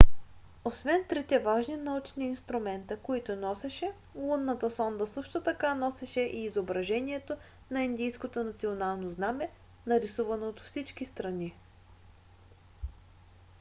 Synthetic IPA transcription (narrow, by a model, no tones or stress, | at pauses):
osvɛnt̪ɾit̪ɛvaʒninɐut͡ʃniːnst̪ɾumɛnt̪əkoit̪ʊnɔsɛʃɛ | lˠunːɐt̪əsɔnd̪əsɤʃt̪ot̪ɐkanɔsɛʃɛʔiːzobɾɐʒɛniɛt̪o | nɐind̪ijskot̪onɐt̪sionalˠnoznamɛ | nɐɾisuvɐnoːt̪fsit͡ʃkist̪ɾɐni